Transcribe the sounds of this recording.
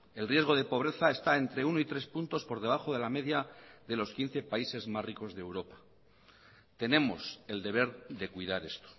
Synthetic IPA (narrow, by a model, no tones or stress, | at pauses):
e̞lrje̞zɣo̞ðe̞po̞β̞ɾe̞θae̞st̪ae̞nt̪ɾe̞unoit̪ɾe̞spunt̪o̞spo̞ɾðe̞β̞aχo̞ð̞e̞lame̞ðjaðe̞lo̞skin̟θe̞paise̞zmazriko̞zðeewɾo̞pḁ | t̪e̞ne̞mo̞se̞ld̪e̞β̞e̞ɾðe̞kwuiðaɾe̞st̪o̥